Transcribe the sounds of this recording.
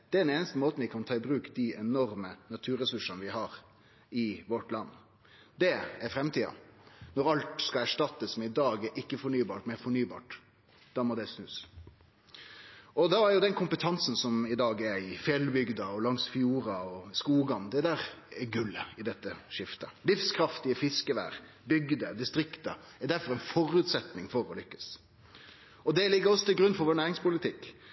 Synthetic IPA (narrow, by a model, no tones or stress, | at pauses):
d̪̥ɛɛɾɛneːnəst̪əmoːt̪n̩ʋɪkʰɑnt̪ʰɑːɪbɾʉːkd̪iɛnɔɾmənɑt̪ʰʉːɾɛsʉʂənəʋɪɦɑɾ | ɪʋɔʈlɑnː | d̪ɛɛɾfɾɛmt̪ʰiːɑ̰nɔɾɑlt̪skɑæʂʈɑt̪ːəsmɛnɪd̪ɑːɡɛɾʔɪkːəfɔɳyːbɑːʈmɛfɔɳyːbɑ̰ːʈ | d̪̥ɑːmɔd̪ɛsnʉːs | ɔd̪ɑæɾjʊd̪ɛnkʰʊmpət̪ʰɑnsn̩sɔmɪd̪ɑːɡɛɾɪfjɛlbʏɡd̪ɑɔlɑŋsfjuːɾɑɔskuːɡɑnd̪ɛd̪æːɾɛɡʉlːəɪd̪ɛt̪ːəʂɪft̪əlɪfskʰɾɑft̪ɪəfɪskəʋæ̰ːʁ | bʏɡd̪əd̪ɪst̪ɾɪkt̪ə̰ | ɛɾd̪æɾfɔɾɛnfɔɾʉːt̪sɛt̪nɪŋfɔɾɔlʏkːə̥s | ɔd̪ɛlɪɡːəɾɔsːɔt̪ʰɪlɡɾʉnːfɔɾʋoːnæːɾɪŋspʊlɪt̪ʰɪkː